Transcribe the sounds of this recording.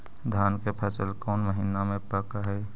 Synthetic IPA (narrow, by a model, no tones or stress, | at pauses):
d̪ʱjaːnkepʰəsəlkɔːnməɦɪnamẽpəkaɦɛː